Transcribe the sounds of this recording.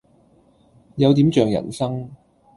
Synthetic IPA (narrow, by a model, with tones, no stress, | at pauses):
jɐ˨˧wt̪iː˨˥mt͡ʃœː˨˩ŋjɐ̰˨˩nsɐ˥ŋ